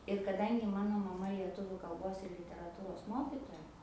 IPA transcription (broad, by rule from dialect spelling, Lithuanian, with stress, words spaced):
ɪr kɐˈdɐŋʲɡʲɪ ˈmɑːnoː mɐˈmɐ lʲiɛˈtʊʋʲʊ kɐlˠˈboːs ɪr lʲɪtʲɛrɐˈtuːroːs ˈmoːkʲɪtoːjɛ